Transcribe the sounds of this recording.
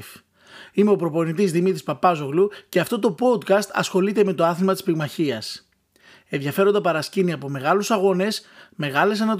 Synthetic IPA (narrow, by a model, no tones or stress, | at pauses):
f | imeo̞pɾo̞po̞nit̪̬izðimit̪ɾispɐpɐzo̞ɣluce̞ɐft̪o̞t̪o̞po̞d̪kɐst̪ɐ̰sxo̞lit̪e̞me̞t̪oɐθilmɐt̪ispiɣmɐçiɐs | e̞nðʝɐfe̞ɾond̪ɐpɐɾɐsciniɐpo̞me̞ɣɐlusɐɣo̞ne̞sme̞ɣɐle̞s̬enɐt̪